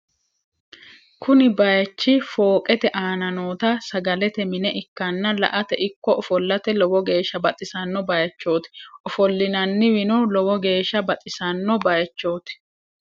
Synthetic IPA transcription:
kʰʊnɪbɐjɐt͡ʃːɪfoːkʼɛt̪ɛʔaːnɐnoːt̪ɐsɐɡɐlɛt̪ɛmɪnɛʔɪkːɐnːɐlɐ̰ʔɐt̪ɛʔɪkːɔɔfɔlːɐt̪ɛlɔwɔɡe̞ːʃːɐbɐt̪ʼɪsɐnːɔbɐjɐt͡ʃːo̞ːt̪ɪ̥ʔɔfɔlːɪnɐnːɪwɪnɔlɔwɔɡe̞ːʃːɐbɐt̪ʼɪsɐnːɔbɐjɐt͡ʃːo̞ːt̪ɪ̥

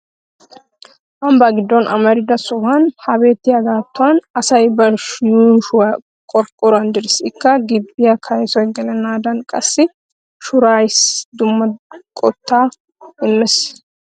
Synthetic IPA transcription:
wɐmbaːɡɪd̪ːɔnʔɐmɐɾɪd̪ɐsʊwanhɐbe̞ːt̪ːɪjaɡaːt̪ːʊɐnɐsɐjbɐɾʃjuːʃwɐ | kʼɔɾkʼɔɾɐnd̪ɪɾsɪkːɐɡɪbːɪjɐkʰɐjsɔjɡɛlɐnaːd̪ɐnkʼɐsːɪ | ʃʊɾaːjɪsd̪ʊmːɐkʼɔt̪ːaː | ɪmːɛs

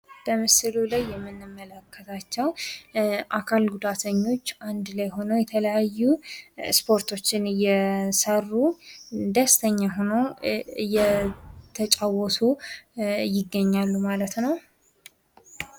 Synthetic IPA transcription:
bəmɨsɨlulajːɛmːɨnːɨmːələkːət̪ʰat͡ʃːɛw | ʔakʰalɡud̪at̪ʰəɲːo̞t͡ʃːand̪lajɦo̞nəwjɛt̪ʰələjajːuspʰo̞ɾt̪ʰo̞t͡ʃːɪnjɛsərːud̪əst̪ʰəɲːaɦo̞nəwjɛt̪ʰət͡ʃʼawɔsu | jɪɡːəɲːalːumalət̪nəw

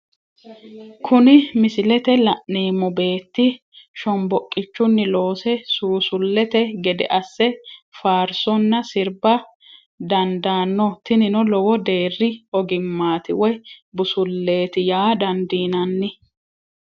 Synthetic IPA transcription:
kʰʊnɪmɪsɪlɛt̪ɛlɐʔneːmːɔbe̞ːt̪ːɪ | ʃɔmbɔkʼːɪt͡ʃːʊnːɪlo̞ːsɛsuːsʊlːɛt̪ɛɡɛd̪ɛ̰ʔɐsːɛfaːɾsɔnːɐsɪɾbɐ | d̪ɐnd̪aːnːɔt̪ɪnɪnɔlɔwɔd̪e̞ːrːɪɔɡɪmːaːt̪ɪwɔjbʊsʊlːe̞ːt̪ɪjaːd̪ɐnd̪iːnɐnːɪ

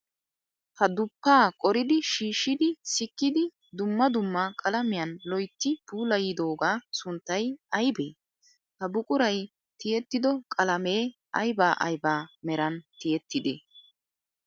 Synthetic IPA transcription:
hɐd̪ʊpːaːkʼɔɾɪd̪ɪʃiːʃːɪd̪ɪsɪkːɪd̪ɪ | d̪ʊmːɐd̪ʊmːɐkʼɐlɐmɪjɐnlɔjt̪ːɪbuːlɐjɪd̪o̞ːɡaːsʊnt̪ːɐjɐjbḛː | hɐbʊkʼʊɾɐj | t̪ɪjɛt̪ːɪd̪ɔkʼɐlɐmeː | ɐjbaːʔɐ̰jbaːmɛɾɐnt̪ɪjɛt̪ːɪd̪ḛː

